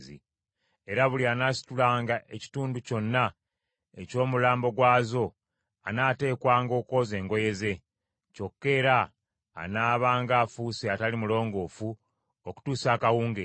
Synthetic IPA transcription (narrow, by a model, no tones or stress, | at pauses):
zḭ | e̞ɾaβulianaːsi̥tulaːŋɡaʔe̞ci̥tuːnduco̞nːa | e̞co̞ːmulaːmbo̞ɡwaːzo̞ | a̰naːte̞ːkwaːŋɡo̞ːko̞ze̞ːŋɡo̞je̞ze̞ | co̞kːe̞ːɾa̰ː | naːβaːŋɡaːfuːsiatalimulo̞ːŋɡo̞ːfu | oku̥tuːsaːkawuːŋɡe